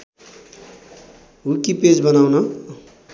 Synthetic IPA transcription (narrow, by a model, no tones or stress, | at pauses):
ɦukiped͡zbʌnawnʌ